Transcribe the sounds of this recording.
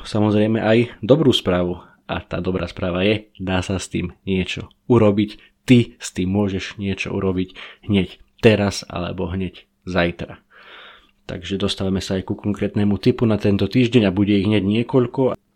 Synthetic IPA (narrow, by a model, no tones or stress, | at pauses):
samɔzɾɛjmɛʔajd̪ɔbɾuːspɾaːʋu | a̰t̪a̰ːd̪ɔbɾa̰ːspɾaːʋajɛd̪aːsast̪ḭːmɲɪɛt͡ʃɔ̰ | uɾɔbic | t̪ist̪iːmːʊɔʒɛʃɲɪɛt͡ʃɔ̰ṵɾɔbicɦɲɛct̪ɛɾasa̰lɛ̰bɔɦɲɛc | zajt̪ɾa̰ | t̪a̰ɡʒɛd̪ɔst̪aʋamɛsaːjkukɔŋkɾɛːt̪nɛmut̪ipunat̪ɛnt̪ɔt̪iːʒɟɛɲabuɟɛiɣɦɲɛɟɲɪɛkɔʎkɔ